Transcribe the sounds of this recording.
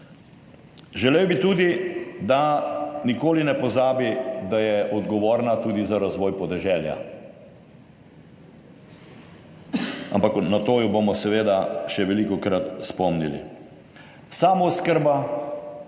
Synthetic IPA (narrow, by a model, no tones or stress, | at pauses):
ʒɛlewbit̪uːd̪id̪anikoːlinɛpɔzaːbid̪ajɛʔɔd̪ɡɔʋoːɾnat̪uːd̪izaɾazʋɔːjpɔd̪ɛʒɛlja̰ | a̰mpaknat̪oːjɔbomɔsɛʋeːd̪aʃɛʋɛlikɔkɾat̪spɔmnḭlḭ | saːmoskəɾba